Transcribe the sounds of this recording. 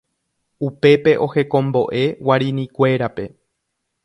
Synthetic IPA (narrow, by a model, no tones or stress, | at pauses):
upe̞pe̞ʔo̞he̞kõ̞mbo̞ʔe̞waɾĩnĩkʷe̞ɾape̞